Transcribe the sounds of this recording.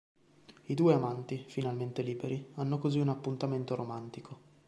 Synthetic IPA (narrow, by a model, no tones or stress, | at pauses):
id̪uːeamant̪ifinalment̪eliːbeɾianːokoziunapːunt̪ament̪oɾomant̪ikʰo